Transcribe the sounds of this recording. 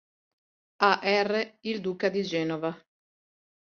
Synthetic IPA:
aʔɛrːeild̪uːkad̪id͡ʒɛːnova

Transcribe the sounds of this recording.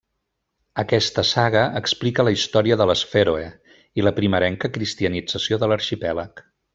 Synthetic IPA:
əkɛst̪əsaɣ̞əʔəksplikələist̪ɔɾiəðələsfeɾoe | iləpɾiməɾɛŋkəkɾist̪iənid͡zəsioðələɾʃipɛlək

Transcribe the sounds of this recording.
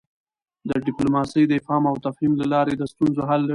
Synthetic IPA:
d̪əɖɪplomɑsəjd̪əɪfɑmawt̪afhimlalɑɾed̪əst̪unzoɦalːa

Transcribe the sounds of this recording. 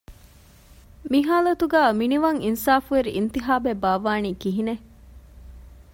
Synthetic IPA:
miɦaːlɐt̪uɡæːminiʋɐŋinsaːfueɾiʔint̪iɦaːbebaːʋaːniːkiɦine

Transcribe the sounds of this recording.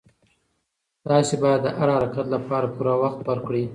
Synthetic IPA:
d̪̥ɑsebɑjad̪ːəʔaɾaaɾɑkat̪lapɑɾapuɾawaxt̪̚baɾkɽi

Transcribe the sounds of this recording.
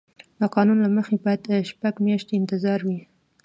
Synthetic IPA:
d̪əqɑnunlaməxebɑjad̪ʃpaɡmjɑʃt̪eɪnt̪ɪzɑɾwi

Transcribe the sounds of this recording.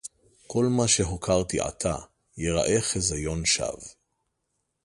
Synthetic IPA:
kʰo̞lmaʃeɦokʰaʁt̪iʔa̰t̪ʰa | jeʁa̰ʔe̞χezajo̞nʃa̰v

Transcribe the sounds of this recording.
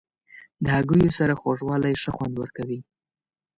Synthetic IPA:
d̪əhaɡujosaɾaxoʐwɑlajʂəxwand̪wəɾkawi

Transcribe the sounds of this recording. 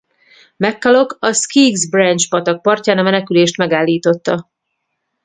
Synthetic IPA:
mɛkːɒlo̞kɒskiːɡzbrɛnt͡ʃpɒt̪ɒk̚pɒrcaːnɒmɛnɛkyleːʃt̪mɛɡaːlːiːt̪o̞t̪ːɒ

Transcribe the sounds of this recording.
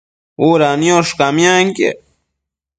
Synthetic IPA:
uɾanjoʂkamjaŋkḛ

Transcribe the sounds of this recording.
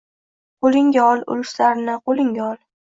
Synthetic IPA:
qʰolɪŋɡʲaɒlˠʊ̰lʊʃlaɾɪnɪqolɪŋɡʲaɒlˠ

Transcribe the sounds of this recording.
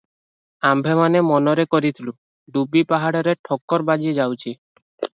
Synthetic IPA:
ambʱemanemɔnɔɾekɔɾit̪ʰilu | ɖubipaɦaɽɔɾeʈʰɔkːɔɾbad͡ʒied͡ʒawt͡ʃʰi

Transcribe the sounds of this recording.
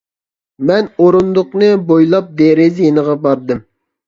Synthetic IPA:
mɛnoɾund̪ʊqnɨbojlˠɑp̚d̪eɾɪzjinəʁɑbɑɾd̪ɨm

